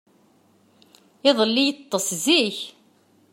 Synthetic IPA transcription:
ɪðˤəlːijət̪ˤːəsziç

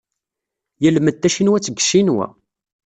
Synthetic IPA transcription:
jəlməd̪ːæʃinwæt͡sːəɡʃinwæ̰

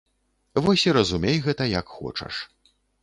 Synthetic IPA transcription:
vɔsʲiɾɐzumʲejɣɛt̪ɐjɐkxɔ̰t͡ʂɐ̰ʂ

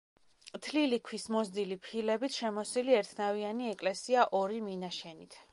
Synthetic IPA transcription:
t̪ʰlilikʰwismɔzd̪ilipʰilɛbit̪ʰʃɛmɔsiliɛɾt̪ʰnavianiɛkʼlɛsiaʔɔɾiminaʃɛnit̪ʰ

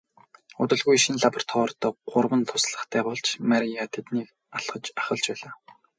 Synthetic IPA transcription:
ʊ̰t̪ə̆ɮɣujʃinɮapɔr̥t̪ʰɔːrt̪ɔːɢʊrwə̆nt̪ʰʊsɮə̆χt̪ʰæːpʊːɮt͡ɕmaɾʲiat̪ʰet̪niːk | aɬχə̆t͡ɕaχə̆ɮt͡ɕpæːɮaː

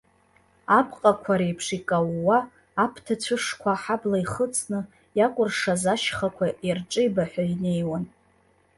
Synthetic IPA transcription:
apʰʼqʼakʷʰaɾejpʰʂikʼawːaː | pʰtʰat͡ɕʷʰɨʂkʷʰaħablaiχət͡sʼnɨ | jakʷʼʊrʂazaʃχakʷʰaʔirʈ͡ʂʼɨjbaħʷᶣaine̞jwan

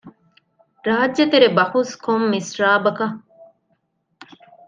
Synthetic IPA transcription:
ɾaːd͡ʒːɐt̪eɾebɐhuskʰomːisɾaːbɐkɐ

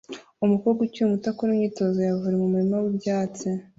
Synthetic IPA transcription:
umukoɡuciumutakuɾumɲiːto̞zojavuɾemumuɾimawibjaːt͡si

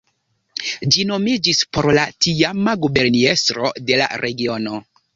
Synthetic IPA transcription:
d͡ʒino̞mid͡ʒispo̞ɾlatiamaɡube̞ɾnie̞stɾo̞de̞la̰ɾʔe̞ɡio̞no̞

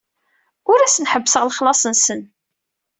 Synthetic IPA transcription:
ʊɾæsənħəbːsəʁlχlɑsˤənsən

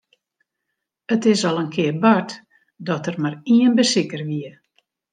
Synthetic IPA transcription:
ətɪsɔlˠənkʰɪərbat | dɔtərmariənbəsɪkərʋiə

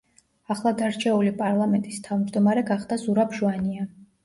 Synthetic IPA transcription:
aχlˠad̪aɾt͡ʃʰɛulipʼaɾlˠamɛnt̪ʼist̪ʰavmd͡ʒd̪ɔmaɾɛɡaχd̪azuɾapʰʒuania

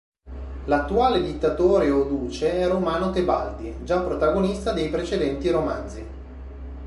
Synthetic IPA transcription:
lat̪ːuaːled̪it̪ːat̪oːɾeod̪uːt͡ʃeɛromaːnot̪eba̰ld̪id͡ʒapːɾot̪aɡonist̪ad̪ejpɾet͡ʃed̪ɛnt̪iɾoma̰nd̪zi

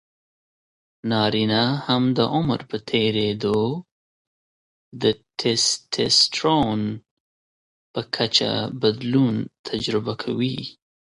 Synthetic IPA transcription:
nɑɾinahamd̪əʔʊm̰ɾpət̪ʰeɾed̪o | d̪ətʰestʰesʈɾon | pəkʰat͡ʃa̰bad̪lunt̪ʰad͡ʒɾɪbakʰawi

